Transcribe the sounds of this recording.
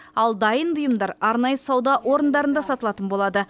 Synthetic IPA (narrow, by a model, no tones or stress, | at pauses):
ɑlˠd̪ɑjənbʊjəmd̪ɑɾɑɾnɑjəsɑwd̪ɑʔwo̞ɾənd̪ɑɾənd̪ɑsɑt̪əlˠɑt̪ənbo̞lˠɑd̪ə